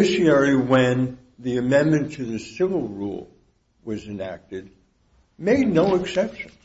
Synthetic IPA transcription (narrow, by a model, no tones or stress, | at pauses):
ɪʃiɛɹiwɨ̃n | ðiɨmɛ̃nmɨ̃ntʰɨðɨsɪvl̩ˠɹṵlˠ | wʌzɨ̃næ̰k̚tɨd̚ | meɪdⁿnoʊɨksɛpʃɨ̃n